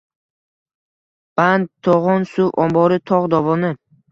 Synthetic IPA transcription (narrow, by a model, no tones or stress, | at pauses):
b̥and̪t̪ʰːoʁɒnsʊvɒmbɒɾɪt̪ʰɒʁd̪ɒvɒnɪ